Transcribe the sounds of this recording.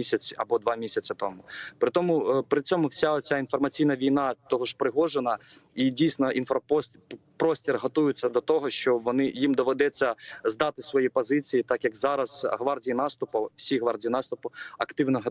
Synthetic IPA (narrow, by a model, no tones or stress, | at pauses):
isʲɐt͡sʲɐ̰bɔd̪ʋɑmʲisʲɐt͡sʲɪt̪ɔmʊpɾɪt̪ɔmʊpɾɪt͡sʲɔmʊwsʲaɔt͡sʲainfɔrmɐt͡sʲijnɐʋʲijnɑt̪ɔɦɔʃpɾɪɦɔʒenɐidʲijsnɔinfpɔ | pɾɔsʲtʲirɦɔt̪ujʊt͡sʲːɐd̪ɔt̪ɔɦɔʃt͡ʃɔʋɔnɪjimd̪ɔʋɛd̪ɛt͡sʲːɐzd̪ɑt̪ɪsʋɔjipɔzɪt͡sʲijit̪ɑkjɐkzɑɾɐzɦʋɑrdʲijinɑst̪ʊpʊwsʲiɦʋɑrdʲijinɑst̪ʊpʊɐkt̪ɪwnɔɦ